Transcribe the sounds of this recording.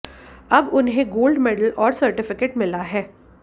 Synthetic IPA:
ɐbʊnɦẽɡoːlɖmɛːɖəlʔɔːɾsɐɾʈɪfɪkeːʈmɪlaɦɛː

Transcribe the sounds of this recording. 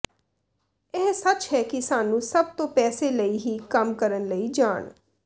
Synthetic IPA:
ɪɦsət͡ʃɦɛːkisaːnũːsəb̚t̪õːpɛːseːləiːɦiːkəmkəɾənləiːd͡ʒaːɳ

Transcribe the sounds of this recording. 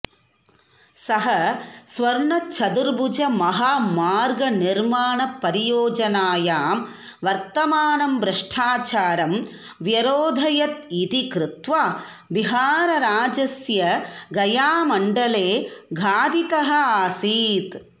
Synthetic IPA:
sɐɦɐsʋɐɾɳɐt͡ʃʰɐd̪uɾbud͡ʒɐmɐɦaːmaːɾɡɐniɾmaːɳɐpːɐɾijoːd͡ʒɐnaːjaːm | ʋɐɾt̪ɐmaːɳɐmbɾɐʂʈʰaːt͡ʃaːɾɐm | ʋjɐɾoːd̪ʱɐjɐt̪̚it̪ikɾɪt̪ʋaː | biɦaːɾɐɾaːd͡ʒɐsjɐɡɐjaːmɐɳɖɐleːɡʱaːd̪it̪ɐɦɐ̆aːsiːt̪

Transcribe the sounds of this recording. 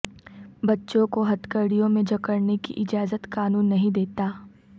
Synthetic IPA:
bɐtːʃõkoɦɐt̪kəɾɽijõmẽd͡ʒɐkəɾnekḭʔɪd͡ʒaːzət̪kaːnuːnːɐɦĩd̪eːt̪aː

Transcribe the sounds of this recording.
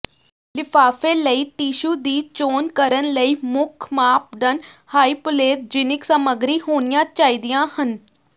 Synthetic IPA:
lɪpʰaːfẽːləiːʈiːʃuːd̪iːt͡ʃoːnkəɾənləiːmʊkʰmaːp̚ɖənhaːiːpʊleːt̪̚d͡ʒɪnɪksəməɡɾiːɦoːnijãːt͡ʃaːiːd̪ijãːhən

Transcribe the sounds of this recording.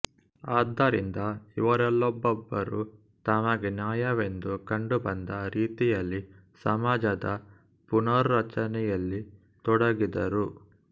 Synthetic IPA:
aːd̪ːɐɾind̪ɐiʋɐɾɛlːɔbːɔbːɐɾu | t̪aːmɐɡenjaːjɐʋe̞nd̪ukɐɳɖubɐnd̪ɐɾiːt̪ijɐlːi | sɐmaːd͡ʒɐd̪ɐ | punɐɾːɐt͡ʃɐnɛjɐlːi | t̪ɔɽɐɡid̪ɐɾu

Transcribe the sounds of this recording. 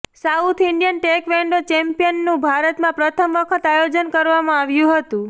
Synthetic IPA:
saut̪ʰɪɳɖijənʈekʋɛɳɖot͡ʃɛmpijənːũbʱaɾət̪mãpɾət̪ʰəmʋəkʰət̪ajod͡ʒənkəɾʋamãaʋjũɦət̪ũ

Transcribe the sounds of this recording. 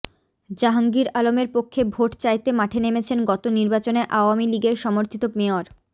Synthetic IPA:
d͡ʑaɦaŋɡiɾalomeɾpokʰːebʱoʈt͡ɕajt̪emaʈʰenemet͡ɕʰenɡɔt̪oniɾbat͡ɕoneʔaoamiliɡeɾʃɔmoɾt̪ʰit̪omeoɾ

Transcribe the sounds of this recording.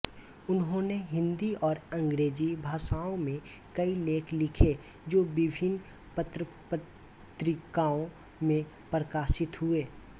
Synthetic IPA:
ʊnɦõːneɦɪ̃nd̪iɔːɾɐ̃ŋɡɾeːd͡ʒibʱaːʃaːõmẽ | kɐileːkʰlɪkʰe | d͡ʒoːbɪbʱɪn | pət̪ɾəpə | t̪ɾɪkaːõ | mẽ | pɾəkaːʃɪt̪ɦʊeː

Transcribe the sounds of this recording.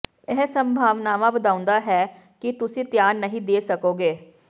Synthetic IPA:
ɛɦsəmbʱaːʋnaːʋãːbəd̪aːʊ̃nd̪aːɦɛː | kɪt̪ʊsĩːt̪jaːnːəɦĩːd̪eːsəkoːɡeː

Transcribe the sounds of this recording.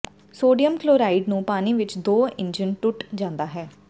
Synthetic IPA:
soːɖijəmkloːɾaːɪɖnũːpaːniːʋɪt͡ʃd̪oːɪ̃ɲd͡ʒənʈʊʈd͡ʒãːnd̪aːɦɛː

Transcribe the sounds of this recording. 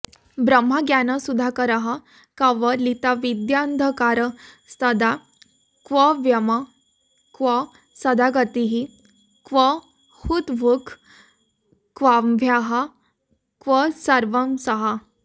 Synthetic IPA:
bɾəm̤ːaɡjanəsud̪ʱakəɾaɦa | kaʋəlit̪aʋid̪jand̪ʱəkaɾə | st̪əd̪a | kʋəʋjəma | kʋə | səd̪ʱaɡət̪iɦi | kʋə | hut̪ʋukʰ | kʋaʋʱjaɦa | kʋəsəɾʋəmsəɦa

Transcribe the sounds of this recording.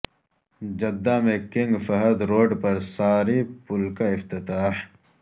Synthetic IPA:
d͡ʒɐd̪ːamẽkɪŋɡfɐɦəd̪ɾoːɖpɐɾsaːɾipʊlkaɪft̪ɪt̪aːħ

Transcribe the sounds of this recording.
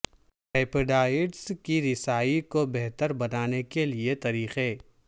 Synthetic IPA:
peːpɪɖaːɪɖskiɾɪsaːikobɛɦt̪əɾbɐnaːnekeliet̪ɐɾiːxeː

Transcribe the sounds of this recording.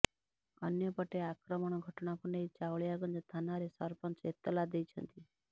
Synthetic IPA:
ə̰njəpəʈeakɾəmɔɽ̃ɔɡʱəʈnapuneit͡ʃaʋɭjaɡənd͡ʒɔt̪ʰanaɾesɔɾpənset̪ːəlad̪ejt͡ʃʰə̰nt̪i

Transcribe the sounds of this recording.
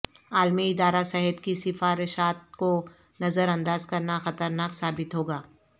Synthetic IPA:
aːlmiɪd̪aːɾasɛɦɛt̪kisɪfaːɾɪʃaːt̪̚ko | nɐzəɾɐ̃nd̪aːzkɐɾnaxɐt̪əɾnaːksaːbɪt̪ɦoːɡaː

